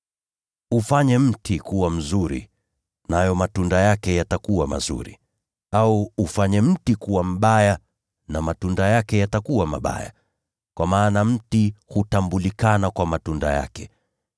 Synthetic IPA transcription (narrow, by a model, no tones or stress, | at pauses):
ufaɲɛm̩tʰikuwam̩zuɾḭ | najɔmatundajakɛjatakuwama̰zṵɾḭ | auufaɲɛm̩tikuwam̩ɓaja | namatundajakɛjatakuwama̰ɓa̰ja̰ | kwamaːnam̩tihutambulikanakwamatunda̰ja̰kɛ